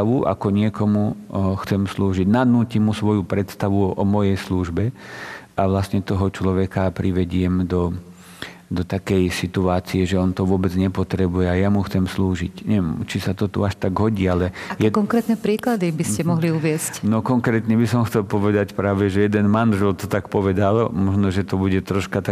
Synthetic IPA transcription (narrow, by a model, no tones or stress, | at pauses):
aʋuʔa̰kɔɲɪɛkɔmuxt͡sɛmsluːʒiɟnad̪nuːcimːusʋɔjupɾɛt̪st̪aʋuʔɔmɔjɛjsluːʒbɛʔaʋlastɲɛt̪ɔɦɔt͡ʃlɔʋɛkapɾʔiʋɛɟɪɛmd̪ɔ | d̪ɔt̪akɛjsit̪uaːt͡siɛʒɛɔnt̪ɔʋʊɔbɛd͡zɲɛpɔt̪ɾɛbujɛajamuxt͡sɛmsluːʒicɲɛʋɛmt͡ʃisat̪ɔt̪ṵaʃt̪aɡɦɔɟiːalɛajɛkɔŋkɾɛːt̪nɛpɾiːklad̪ibiscɛmɔɦliuʋɪɛscnɔkɔŋkɾɛːt̪ɲɛbisɔmxtt͡sɛlpɔʋɛd̪acpɾaːʋɛʒɛjɛd̪ɛnmanʒɔlt̪ɔt̪akpɔʋɛd̪almɔʒnɔʒɛt̪ɔbuɟɛt̪ɾɔʃkat̪a